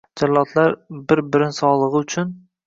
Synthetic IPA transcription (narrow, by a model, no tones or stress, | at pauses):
d͡ʒallˠɒt̪ʰlaɾbɪɾbɪɾɪnsɒlˠɨʁɨʊt͡ʃʰʊn